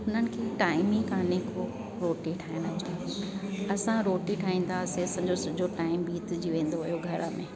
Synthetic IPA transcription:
ʊn̤ənɪ̆kʰeːʈaːɪmĩkaːneko | ɾoːʈiʈʰaːjənɐd͡ʑki | ɐsãɾoːʈiʈʰaːɦĩːn̆t̪ʰaɐseɐsãːd͡ʑosʊd͡ʑʱoʈaːɪmbiːt̪d͡ʑiʋẽːn̆d̪oɦʊjoɡʱɐɾə̆mẽː

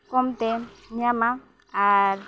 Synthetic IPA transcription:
kɔmt̪ɛɲamaː

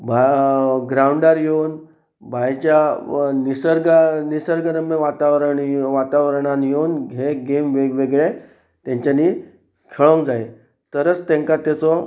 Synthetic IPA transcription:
bʱaɡɾaɳɖaɾjeun | bʱajt͡ɕjanisəɾɡanisəɾɡənəmːeʋat̪aʋɾəɳʋat̪aʋɾɳ̃anjeunɡʱeɡemʋeʋeɡɭe | t̪ãɲt͡ɕaniː | kʰeɭoŋd͡zae | t̪əɾət͡st̪ɛ̃ŋkat̪at͡sɔ

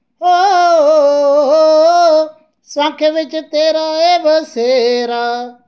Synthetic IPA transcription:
ɦoːɦoɦoː | sãːkʰeːʋɪt͡ʃt̪eːɾaːeːʋəseːɾaː

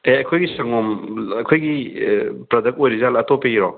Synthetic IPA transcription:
eɐkʰojɡisɐŋɔmɐkʰojɡi | pɾɐdɐk̚ojɾizalɐtopeiɾo

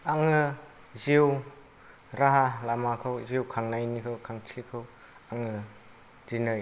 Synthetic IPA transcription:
aŋɯ | zew | ɾaɦalamakʰɯwzewkʰaŋnajnikʰɯwkʰaŋt͡ʃʰikʰɯw | aŋɯ | dinɯj

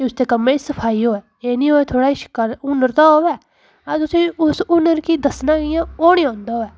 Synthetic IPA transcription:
keʊsd̪eːkəmːẽːsəpʰaːiːɦoːɛːeːnĩːɦoːeːt̪ʰoːɽaːɪʃkəɾʊnːəɾt̪aːɦoːʋɛː | ət̪ʊsĩːʊsʊnəɾkiːd̪əsnãːɡɪjãːoːnĩːãːnd̪aːɦoːɛː

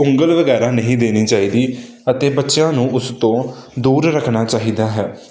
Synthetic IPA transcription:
ʊ̃ŋɡəlʋəɡɛːɾaːnəɦĩːd̪eːniːt͡ʃaːiːd̪iː | ət̪eːbətːʃjãːnũːʔʊst̪õːd̪uːɾɾəkʰnaːt͡ʃaːɦiːd̪aːɦɛː

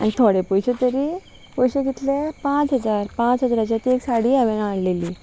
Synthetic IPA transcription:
a̰nit̪ʰoɽepujɕet̪əɾi | pujɕeɡit̪lepãt͡sɦəd͡zaɾpãt͡sɦəd͡zɾat͡ɕat̪eksaɽiːəʋɛnaɽleliː

